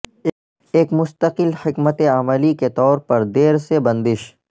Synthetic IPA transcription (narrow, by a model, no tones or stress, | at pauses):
eːkmʊst̪əqɪlħɪkmət̪eaməliket̪ɔːɾpɐɾd̪eːɾsebɐ̃nd̪ɪʃ